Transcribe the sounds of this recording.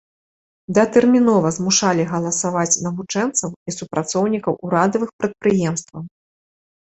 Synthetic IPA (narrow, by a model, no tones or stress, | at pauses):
d̪ɐt̪ɛrmʲinɔvɐzmuʂalʲiɣɐlˠɐsavat͡sʲnɐvut͡ʂɛnt̪sɐwisupɾat̪sɔwnʲikɐwʔuɾad̪ɐvɨxpɾɐt̪̚pɾɨjɛmst̪vɐw